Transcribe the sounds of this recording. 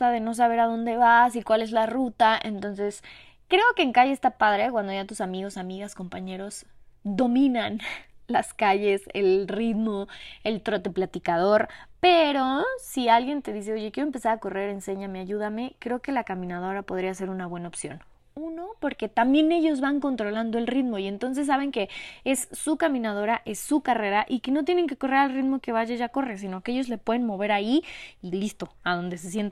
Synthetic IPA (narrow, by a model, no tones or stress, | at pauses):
aðe̞no̞s̬aβe̞ɾaðo̞nd̪e̞βasikwale̞zlarut̪ae̞nt̪o̞nse̞s | kɾe̞o̞keːŋkaʝeːst̪apaðɾe̞kwand̪oʝat̪usamiɣo̞samiɣasko̞mpaɲe̞ɾo̞zd̪o̞mĩnanlaskaʝe̞sḛlrit̪moe̞lt̪ɾot̪eplat̪ikað̞o̞ɾpe̞ɾo̞sialɣje̞nt̪e̞ðis̬e̞o̞ʝe̞kje̞ɾoempesaɾako̞re̞ɾe̞nse̞ɲameaʝuð̞ame̞kɾeoke̞lakamĩnað̞o̞ɾapo̞ð̞ɾias̬e̞ɾunaβwe̞naopsjo̞̰n | uno̞po̞ɾke̞t̪ambje̞ne̞ʝo̞zβaŋko̞nt̪ɾo̞land̪oe̞lrit̪mo̞ie̞nt̪o̞ns̬e̞s̬ːaβ̞e̞ŋke̞e̞sːukamĩnað̞o̞ɾaʔe̞sːukare̞ɾaʔike̞no̞t̪̬jene̞ŋke̞ko̞re̞ɾalrit̪mo̞ke̞βaʝaʝako̞res̬inokee̞ʝo̞zle̞pwe̞ðe̞nmo̞β̞e̞ɾaiilist̪o̞að̞o̞nd̪es̬es̬je̞nt̪